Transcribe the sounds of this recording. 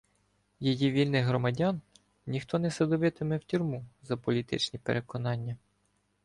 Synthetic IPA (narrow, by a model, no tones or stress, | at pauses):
jijiʋʲilʲnɪjɦɾɔmɐdʲɑn | nʲixt̪ɔnɛsɐd̪ɔʋɪt̪ɪmɛwtʲirmuzɐpɔlʲit̪ɪ̰t͡ʃnʲipeɾʔekɔnɑnʲːɐ